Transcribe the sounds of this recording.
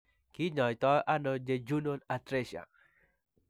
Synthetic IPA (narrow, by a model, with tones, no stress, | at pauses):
kɪ˦ɲɔ˨jt̪ɔ˦ʔa˦no˦d͡ʒe˨d͡ʒu˦no˦na˨tɾe˦ʃa̰˨